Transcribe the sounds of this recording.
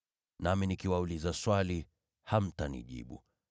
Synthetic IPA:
naminikiwaulizaswali | ham̩tanḭʄḭɓṵ

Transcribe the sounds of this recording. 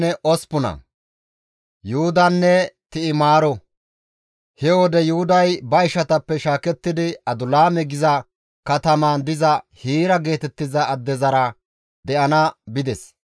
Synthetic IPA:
nɛʔɔspʊnɐ̰ | juhʊd̪ɐnːɛt̪ɪɪmaːɾɔ | hɛwɔd̪ɛjʊhʊd̪ɐjbɐɪʃɐt̪ɐpːɛʃaːkɛt̪ːɪd̪ɪɐd̪ʊlaːmɛɡɪzɐ | kɐt̪ɐmand̪ɪzɐhiːɾɐɡe̞ːt̪ɛt̪ːɪzɐːd̪ːɛzɐɾɐ | d̪ɛʔɐnɐbɪd̪ɛs

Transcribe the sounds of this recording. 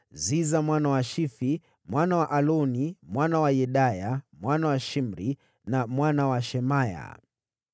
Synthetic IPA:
zizamwanawaʃifi | mwanawaʔalɔnimwanawajɛɗajamwanawaʃim̩ɾi | namwanawaʃɛmaja̰

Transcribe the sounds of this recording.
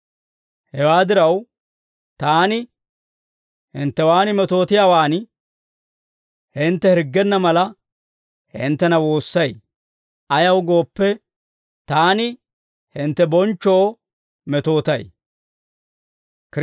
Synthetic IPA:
hɛwaːd̪ɪɾɐw | t̪aːnɪ | hɪ̰nt̪ːɛwaːnɪmɛt̪o̞ːt̪ɪjaːwaːn | hɪnt̪ːɛhɪɾɡːɛnːɐmɐlɐ | hɪ̰nt̪ːɛnɐwo̞ːsːɐj | ɐjɐwɡo̞ːpːɛ | t̪aːnɪ | hɪnt̪ːɛbɔnt͡ʃːoː | mɛt̪o̞ːt̪ɐ̰j | k

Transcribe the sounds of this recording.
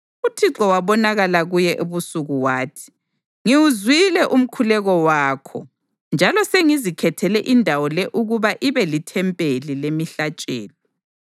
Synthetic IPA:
utʰiǁɔwaβɔnaɣalaɣujɛʔuβusuɣuwaːtʰi̥ | ŋiwuzwilɛʔum̩kʰulɛɣɔwaːkʰɔ̰ | nd͡ʒʱalɔseŋizikʰɛtʰɛlɛʔindʱawɔlɛʔuɣuβaʔiβɛlitʰɛmpʼelilemiɬat͡ʃʼɛ̰ːlɔ

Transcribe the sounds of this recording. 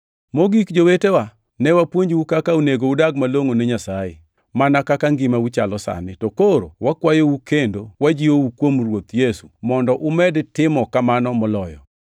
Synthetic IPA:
moɡikd͡ʒowetewa | nɛwapwoɲd͡ʒwukakauneɡoudaɡmaloŋoneɲasajḛ | manakakaŋɡɪmaut͡ʃalɔsa̰nɪtɔkoɾo̰wakwajowukendowad͡ʒiowukwomrwot̪jesumɔndɔʔʊmɛdtɪmɔkamanɔmɔlɔjɔ̰

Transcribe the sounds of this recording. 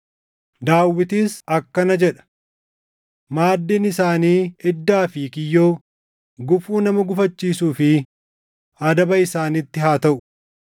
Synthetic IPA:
d̪aːwːɪt̪iːsɐkːɐnɐd͡ʒɛᶑɐ̥ | maːd̪ːiːnɪsaːniːɛd̪ːaːfiːkɪjːoː | ɡʊfuːnɐmɐɡʊfɐt͡ʃːiːsuːfɪ | ɐd̪ɐbɐɪsaːnɪt̪ːɪɦaːt̪ɐʔʊ̥

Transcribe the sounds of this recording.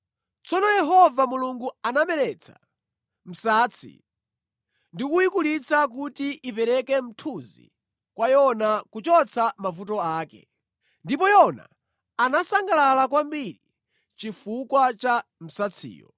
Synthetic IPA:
t͡sʰɔnɔjɛɦɔvamuluŋɡuanamɛɾɛt͡sʰḁ̰ | m̩saːt͡sʰḭ | ndikuikulit͡sʰak̬utiʔipɛɾɛkɛm̩tʰuzḭ | kwajɔnakut͡ʃɔt͡sʰamafutɔaːkɛ̰ | ndipɔjɔna̰ | anasaŋɡalalakwambiɾi | t͡ʃifukwat͡ʃam̩sat͡sʰḭːjɔ̰

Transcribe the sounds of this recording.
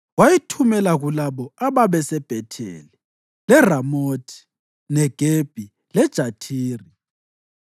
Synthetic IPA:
wajitʰumɛlaɣulaβɔaβaβɛsɛb̥ʱɛtʰḛli | lɛramoːtʰi̥ | nɛɡ̥ʱeb̥ʱi | lɛd̥ʒ̥ʱatʰiːri

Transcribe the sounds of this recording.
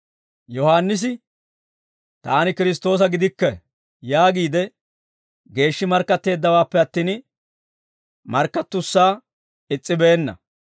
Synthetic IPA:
jɔhaːnːɪs̬ɪ | t̪aːnɪkɪɾɪs̬t̪ːo̞ːs̬ɐɡɪd̪ɪkːɛ | jaːɡiːd̪ɛ | ɡe̞ːʃːɪmɐɾkːɐt̪ːe̞ːd̪ːɐwaːpːɛɐt̪ːiːn | mɐɾkːɐt̪ːʊsːaː | ɪt͡sʼːɪbeːnːɐ̰

